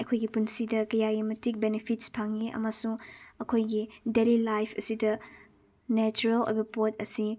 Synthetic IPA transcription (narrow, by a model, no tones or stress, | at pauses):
ɐkʰojɡipunsidɐkɐjajimɐtik̚benepʰit̚spʰaŋiʔɐ̰mɐsuŋɐkʰojɡidelilajpʰɐsidɐ | net͡ʃuɾɐlo̰jbɐpot̚ɐsi